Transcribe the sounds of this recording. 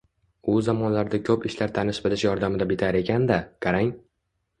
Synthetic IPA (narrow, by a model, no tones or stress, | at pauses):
ʊzamɒnlaɾd̪akʲʰɵpɪʃlaɾt̪ʰanɪʃbɪlɪʃjɒɾd̪amɪd̪abɪt̪ʰaɾe̞kʲʰand̪akʰaɾaŋ